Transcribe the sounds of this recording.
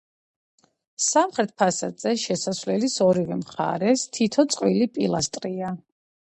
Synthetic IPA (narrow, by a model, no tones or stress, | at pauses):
samχɾɛt̪̚ʰpʰasad̪z̥ɛʃɛsasvlɛlisɔɾivɛmχa̰ɾɛst̪ʰit̪ʰɔt̪sʼqʼwilipʼilˠast̪ʼɾia